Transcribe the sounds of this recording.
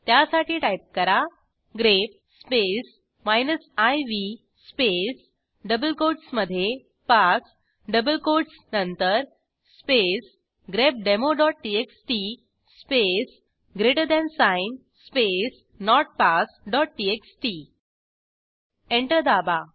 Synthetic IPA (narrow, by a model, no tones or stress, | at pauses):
t̪jasaʈʰiːʈajp̚kəɾa | ɡɾep̚spes | majnəsajʋi | spes | ɖəbəlkoɖsməd̪ʱːje | pas | ɖəbəlkoɖsnənt̪əɾ | spes | ɡɾep̚ɖemoɖɔʈ̚ʈieksʈi | spes | ɡɾeʈəɾd̪ɛ̃nsain | spes | nɔʈ̚pasɖɔʈ̚ʈieksʈi | eɳʈəɾd̪aba